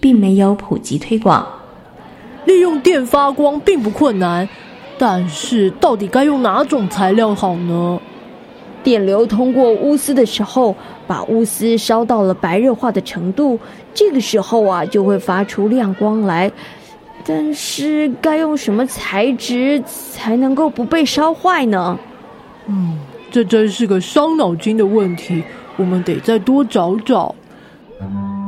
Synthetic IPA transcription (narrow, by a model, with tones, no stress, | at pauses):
pi˥˩ŋme˧˥ɪjo˧˥ʊpʰṵ˨˩t͡ɕi˧˥t̪ʰwe˥ɪkwɑ̰˨˩˦ŋ | li˥˧jʊ˥˧ŋt̪jɛ˥˩nfa˥kwɑ˥ŋpi˥˧ŋp̬u˧˥kʰwə˥˩nːa˧˥n | t̪a˥˧nʂɻ̩˥˩t̪ɑ˥˩ʊt̪i˨˩ka˥ɪjʊ˥˩ŋna˧˥ʈ͡ʂʊ˨˩ŋt͡sʰa˧˥ɪljɑ˥˩ʊxɑ˨˩ʊnə˦ | t̪jɛ˨˩nljo˧˥ʊt̪ʰʊ˥ŋkwɔ˥˩ʔu˥sɹ̩˥d̪ə˨ʂɻ̩˧˥xo˥˧˩ʊ | pa̰˨˩ʔu˥sɹ̩˥ʂɑ˥ʊt̪ɑ˥˩ʊlə˩pa˧˥ɪɻɤ˥˧xwa˥˩d̪ə˩ʈ͡ʂʰɤ˧˥ŋt̪u˥˩ | ʈ͡ʂɤ˥˩ɡə˩ʂɻ̩˧˥xo˥˩ʊɐ˩t͡ɕjo˥˧ʊxwe˥˩ɪfa˥ʈ͡ʂʰu˧˥ljɑ˥˩ŋkwɑ˥ŋla˧˥ɪ | t̪a˥˧nʂɻ̩˥˩ka˥ɪjʊ˥˩ŋʂə˧˥nmə˧t͡sʰa˧˥ɪʈ͡ʂɻ̩˧˥ | t͡sʰa˧˥ɪnɤ˧˥ŋko˥˩ʊpu˧˥pe˥˩ɪʂɑ˥ʊxwa˥˩ɪnə˩ | n̩˥˩ʈ͡ʂɤ˥˧ʈ͡ʂə˥nʂɻ̩˥˩ɡə˨ʂɑ˥ʊnɑ˨˩ʊt͡ɕi˥ŋd̪ə˨wə˥˩nt̪ʰi˧˥wɔ˨˩mə˦nt̪e˨˩ɪt͡sa˥˩ɪt̪wɔ˥ʈ͡ʂɑ˧˥ʊʈ͡ʂɑ˨˩˦ʊ